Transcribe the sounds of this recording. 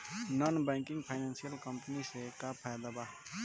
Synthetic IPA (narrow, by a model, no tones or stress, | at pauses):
nɔnbɛːŋkɪ̃ŋɡpʰajnãnsijəlkəmpnisekapʰaːjd̪aba